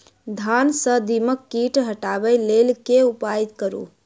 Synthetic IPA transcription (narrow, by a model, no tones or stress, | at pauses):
d̪ʱansə̃d̪iməkːiʈɦəʈabɛlelkeupait̪̚kəɾṵ